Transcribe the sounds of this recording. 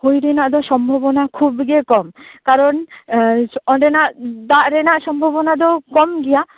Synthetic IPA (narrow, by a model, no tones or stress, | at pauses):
hojɾɛnaʔd̪ɔsɔmbʱɔbɔnakʰubɡekɔmkaɾɔn | ɔɖɛnaʔd̪aʔɾɛnaʔsɔmbʱɔbɔnad̪ɔkɔmɡɛja